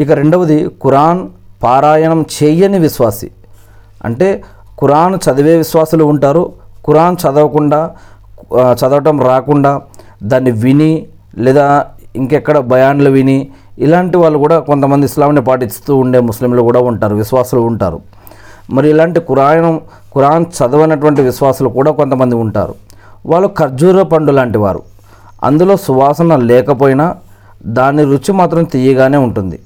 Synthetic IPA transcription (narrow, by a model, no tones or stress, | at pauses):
ikɐɾe̞ɳɖɐʋɐd̪ikuɾaːn | paːɾaːjɐɳɐmt͡ʃɛːjɐniʋiʃʋaːsḭ | ɐ̰ɳʈe̞ː | kuɾaːnt͡ʃɐd̪ɐʋeːʋiʃʋaːsɐluːɳʈaːɾukuɾaːnt͡ʃɐd̪ɐʋɐkuɳɖaː | t͡ʃɐd̪ɐʋɐʈɐmɾaːkuɳɖaː | d̪aːnːiʋini | lɛːd̪aːiŋkɛkːɐɽɐbʱɐjaːnlɐʋini | ilaːɳʈiʋaːɭːukuːɽaːko̞nt̪ɐmɐnd̪iːslaːmnipaːʈ̬ist̪uːɳɖe̞ːmuslimlukuːɽaːuɳʈaːɾuʋiʃʋaːsɐluːɳʈa̰ːɾṵ | mɐɾiilaːɳʈikuɾaːjɐnɐm | kuɾaːnt͡ʃɐd̪ɐʋɐjnɐʈ̬uʋɐɳʈiʋiʃʋaːsɐlukuːɽaːko̞nt̪ɐmɐnd̪iuɳʈa̰ːɾṵ | ʋaːɭːukɐɾd͡ʒuːɾɐpɐɳɖulaːɳʈiʋa̰ːɾṵ | ɐ̰nd̪ulo̞ːsuʋaːsɐnɐlɛːkɐpoːjina | d̪aːnːiɾut͡ʃːimaːt̪ɾɐmt̪ijɐɡaːne̞ːuɳʈund̪ḭ